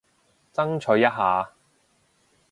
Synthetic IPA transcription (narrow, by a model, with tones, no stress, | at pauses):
t͡sɐ˥ŋt͡ʃʰɵ˨˧˥jɐ˥t̚ɦaː˨˧